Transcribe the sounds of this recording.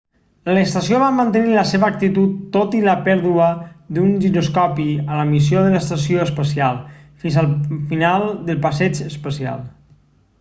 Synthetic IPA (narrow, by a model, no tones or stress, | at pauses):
ləst̪əsioβamənt̪əniləseβəːk̚t̪it̪ut̪ːot̪iləpɛɾðuəd̪unʒinuskɔpiələmis̬ijoðələst̪əs̬ioəspəsialˠfinzəlˠfinalˠd̪əlˠpəsɛd͡ʒəspəsia̰lˠ